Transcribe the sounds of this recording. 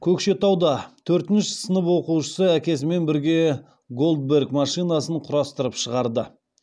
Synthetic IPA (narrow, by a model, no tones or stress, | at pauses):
kʲʰɵkʃe̞t̪ɑwd̪ɑt̪ʰɵɾt̪ɪnʃɪsənəpwo̞quʃəsəækʲe̞s̬ɪme̞nbɪɾɡʲe̞ | ɡo̞lˠd̪̚be̞ɾɡmɑʃijnɑsəɴqʰʊɾɑst̪əɾəpʃəʁɑɾd̪ə